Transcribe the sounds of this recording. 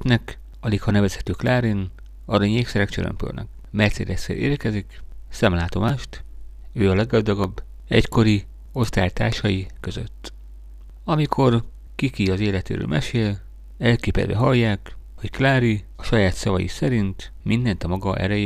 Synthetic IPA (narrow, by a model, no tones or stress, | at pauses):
t̪nɛk | ɒlikhɒnɛvɛshɛ̥t̪øːklaːɾin | ɒɾɒɲieːfsɛɾɛkt͡ʃøɾø̰mpø̰lnɛ̰k | mɛrt̪seːd̪ɛsḛʔeːrkɛziksɛmlaːt̪o̞maːʃt̪ | øːɒlɛɡɡɒzd̪ɒɡɒbː | ɛ̰cko̞ɾi | o̞st̪a̰ːjt̪aːrʃɒjikø̞zø̰t̪ː | ɒmikʰo̞r | kikiɒzeːlɛt̪ḛːɾø̰ːmɛʃeːl | ɛlkeːpɛ̰d̪vɛ̰ɦɒjːaːkho̞cklaːɾi | ɒʃɒjaːt̪sɒvɒjḭsɛɾint̪mind̪ɛnt̪ɒmɒɡɒʔɛ̰ɾɛj